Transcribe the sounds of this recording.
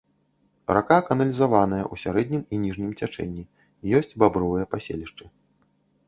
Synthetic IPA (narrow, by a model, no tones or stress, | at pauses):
rakakɐnɐlʲizavanɐjɐ̰ʔusʲaɾɛd̪ʲnʲiminʲiʐnʲimt͡sʲat͡ʂɛ̰nʲːi | jɔsʲt͡sʲbabɾɔvɨjɐpasʲḛlʲiʂt͡ʂɨ